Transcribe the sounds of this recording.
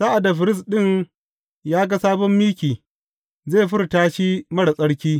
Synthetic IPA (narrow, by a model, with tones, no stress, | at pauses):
sa˦ʔa˨da˨ɸɪ˨ɾɪ˦sɗɪ˦˨ŋ | jaː˦ɡa˦saː˦bɔ˦mːiː˦kʲiː˨ | ze˦˨ɸɪ˦ɾtaː˦ʃi˦mɐ˦ɽa˨sʼɐ˦ɽkʲiː˦